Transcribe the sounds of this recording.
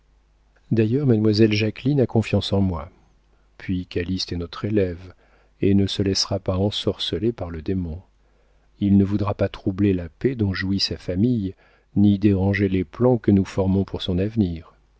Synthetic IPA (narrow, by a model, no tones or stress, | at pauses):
d̪ajœʁmad̪mwazɛlʒaklinakɔ̃fjɑ̃sɑ̃mwa | pʰɥikalist̪ɛnɔt̪χelɛv | enəsəlɛsʁapaɑ̃sɔʁsəlepaʁləd̪emɔ̃ | ilnəvud̪ʁapat̪χublelaped̪ɔ̃ʒuisafamij | nid̪eʁɑ̃ʒeleplɑ̃kənufɔʁmɔ̃pʰuʁsɔ̃navniːʁ